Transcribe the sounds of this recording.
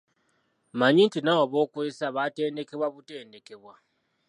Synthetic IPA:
maɲintinawaβo̞ːkwesaβate̞ːnde̞ke̞βwaβute̞ːnde̞ke̞βwa

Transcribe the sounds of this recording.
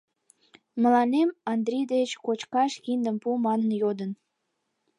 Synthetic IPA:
mə̆lɑnemɑnd̪ɾʲijd̪et͡ɕkot͡ɕkɑʃkind̪əmpumɑnnjod̪ən

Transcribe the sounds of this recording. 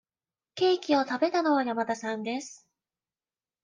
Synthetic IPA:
ke̞ːkʲio̞t̪abe̞t̪ano̞βajamat̪asãnd̪e̞sɨ̥

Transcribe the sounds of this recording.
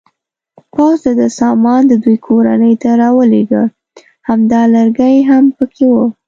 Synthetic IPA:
pawzd̪ad̪əsɑmɑnd̪əd̪ujkʰoɾa̰nəjt̪aɾɑwəleɡə | hamd̪ɑləɾɡajɦampəkʰewə

